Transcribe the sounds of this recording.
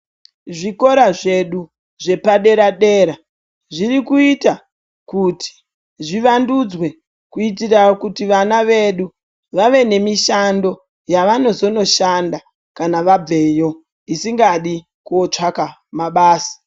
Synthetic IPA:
ʐiko̞ɾaʐe̞ɗu | ʐe̞paɗe̞ɾaɗe̞ːɾa | ʐirikuita | kuti̥ | ʐiʋandud͡zwe̞ | kuit̬iraokutiʋanaʋe̞ɗu | ʋaʋe̞ne̞miʃando̞ | jaʋano̞zo̞no̞ʃanda | kanaʋab͡ve̞jo̞ | isiŋɡaɗi | kot͡ʂaka | maɓaːsḁ

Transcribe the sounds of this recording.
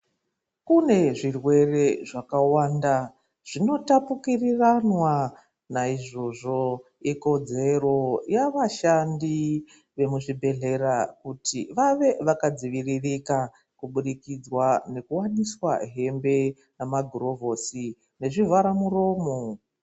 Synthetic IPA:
kune̞ʐirwe̞re̞ʐakawaːnda | ʐ̥ino̞tapukiriranwa | naiʐo̞ʐo̞ | iko̞d͡ze̞ro̞jaʋaʃandi | ʋe̞muʐibʱe̞ɮe̞rakutʰḭʋaʋe̞ʋakad͡ziʋiririka | kuɓuɗikid͡zwane̞kuwaniswa̰ɦe̞mbe̞ | namaɡʱuro̞vʱo̞ːsi | ne̞ʐivaɾamuro̞ːmo

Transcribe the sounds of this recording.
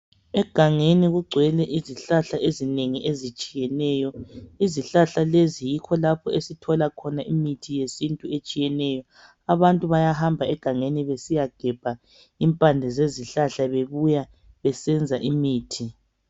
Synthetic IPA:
ɛɡ̥ʱaŋeniɣuɡ͡ǀʱwɛlɛʔiziɬaɬaʔezineŋiʔezit͡ʃʼijɛnɛːjɔiziɬaɬalezijikʰɔlapʰɔesitʰɔlakʰɔnaʔimitʰijesintʼuet͡ʃʼijɛnɛjɔ | aβantʼuβajaɦambʱaɛɡ̥ʱaŋeniβesijaɡ̥ʱɛb̥ʱa | impʼandʱɛzeziɬaɬaβeβuja | βɛsɛnd͡zʱaʔimiːtʰi

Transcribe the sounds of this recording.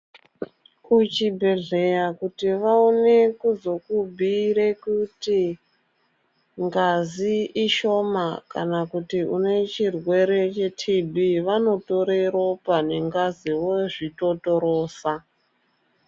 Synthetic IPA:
ut͡ʃibʱe̞ɮe̞jakutiʋaone̞kuzo̞kubʱiɾekuti | ŋɡaziiʃo̞makanakutiune̞t͡ʃirwe̞ɾe̞t͡ʃe̞tʰibʱiʋano̞to̞ɾe̞ɾopane̞ŋɡaziwoʐito̞to̞ɾoːsa

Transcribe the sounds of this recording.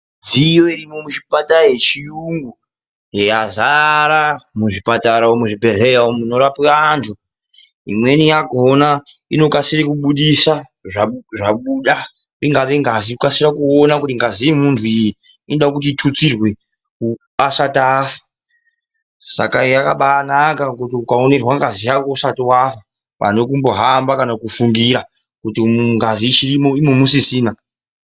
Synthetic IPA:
d͡zijoirimo̞muʃipataɦet͡ʃijuŋɡu | jejazaɾamuʐipataɾaomuʐibʱerejaomuno̞ɾapiaːntʰu | ḭmwe̞nijaɡona | ino̞kasirikuɓuɗisa | ʐaʐaɓuɗa | iŋɡaʋeŋɡazikasirakuonakutiŋɡazijimuntʰuiji | inɗakut̬iːtʰut͡sirwe̞ | ku | asatafḁ | sa̰kajakaɓanakakutiukao̞ne̞rwaŋɡazijakousatiwafa | pa̰no̞kumbo̞ɦambakanakufuŋɡiɾa | kutimuŋɡaziʃirimoimomusisiːna

